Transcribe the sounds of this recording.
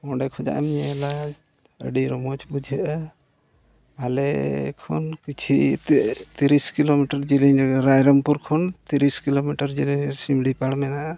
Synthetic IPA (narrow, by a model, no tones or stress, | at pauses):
mɔɖɛkʰud͡ʒa̰ʔa̰miɲɛla | ə̰ɖiɾɔmɔt͡ʃbud͡ʒʱəʔə | alɛ̰kʰɔ̰nkit͡ʃʰḭtt̪iɾiskilomiʈəɾd͡ʒilinɛɾɾajɾɔmpuɾkʰɔnt̪iɾiskilomiʈəɾd͡ʒilinsimɽipaɽmɛnaʔa